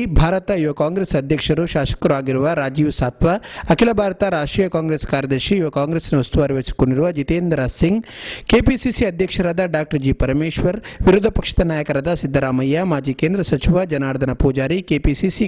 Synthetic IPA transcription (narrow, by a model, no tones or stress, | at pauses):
bʱaːɾɐt̪ɐiʋɐkaːŋɡɾeːsɐd̪ʱjɐkʂɐɾuʃaːʃɐ̥kɐɾuaːɡiɾuʋɐɾaːd͡ʒiːʋsaːt̪ʋɐɐkʰilɐbʱaːɾɐt̪ɐɾaːʂʈɾiːjɐkaːŋɡɾeːskaːɾjɐd̪ɐɾʃiːʋɐkaːŋɡɾeːsnɐust̪uʋaːɾiʋɐsi̥koɳɖiɾuʋɐd͡ʒit̪eːnd̪ɾasiŋɡkeːpisisiɐd̪ʱjɐkʂɐɾaːd̪ɐɖaːk̚ʈɐɾd͡ʒiːpɐɾɐmeːʃʋɐɾʋiɾud̪ʱɐpɐkʂɐ̥t̪ɐnaːjɐkɐɾaːd̪ɐsid̪ʱːɐɾaːmɐjːɐmaːd͡ʒiːkeːnd̪ɾɐsɐt͡ʃiʋɐd͡ʒɐnaːɾɐd̪ʱɐnɐpuːd͡ʒaːɾikeːpisisi